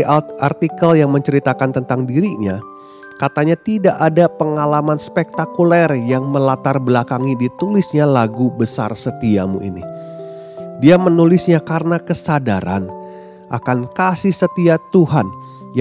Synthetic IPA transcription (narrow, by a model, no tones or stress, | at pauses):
art̪ikəljaŋməɲt͡ʃəɾit̪akant̪ənt̪aŋdiɾiɲa | kat̪aɲat̪idaʔadapəŋalamanspɛk̚t̪akulɛrjaŋməlat̪arbəlakaŋidit̪ulisɲalaɡubəsa̰rsət̪iamṵḭnḭ | diamənulɪsɲakarənakəsadaɾa̰n | ʔakankasihsət̪iat̪uhan | j